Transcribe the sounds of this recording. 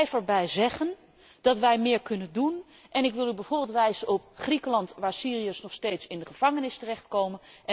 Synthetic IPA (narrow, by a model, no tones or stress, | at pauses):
jfəɹbɛjzɛχən | d̥ɑtʋɛjmɪːɹkɵnəndun | ʔɛnɪkʋɪlˠybɛjvʊːɹbɪlˠtʋɛjzənɔpχrikəlɑntʋaːɹsiːriəsnɔχstejtsɪndəχəv̥ɑŋənɪstərɛχtkowmənʔɛ